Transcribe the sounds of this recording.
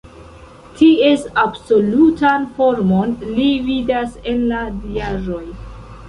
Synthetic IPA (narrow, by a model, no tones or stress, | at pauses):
tʰie̞sabso̞lutanfo̞ɾmo̞nlividase̞nladiaʒo̞j